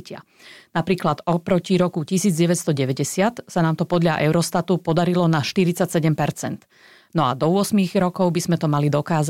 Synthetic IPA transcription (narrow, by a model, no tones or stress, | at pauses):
cɪa̰ | napɾiːklad̪ɔpɾɔciɾɔkucisiːd͡zɟɛʋɛt̪st̪ɔɟɛʋɛɟɛsɪat̪sanaːmt̪ɔpɔd̪ʎaʔɛʊɾɔst̪at̪upɔd̪aɾilɔnaʃt̪iɾit͡sacsɛɟɛmpɛɾt͡sɛ̰nt̪ | nɔa̰d̪ɔʊɔsmiːɣɾɔkɔʊbiz̥mɛt̪ɔmalid̪ɔkaːz